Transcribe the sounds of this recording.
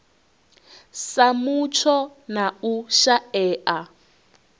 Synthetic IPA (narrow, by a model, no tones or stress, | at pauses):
samut͡ʃʰɔnauʃaɛːʔa